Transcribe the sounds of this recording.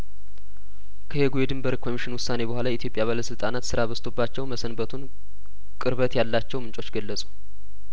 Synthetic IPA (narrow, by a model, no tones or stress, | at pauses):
kʰəheɡujɛd̪ɨmbəɾkʰo̞miʃɪnwʊsːane̞bəhʷalajɛʔit̪ijo̞pʼjaβaləsɨlt̪ʼanat̪sɨɾaβəst̪ʰo̞bːat͡ʃːɛwməsənbət̪ʰun | kʼɨɾβət̪jalːat͡ʃːɛwmɨnt͡ʃʼo̞t͡ʃːɡəlːəsʼu̥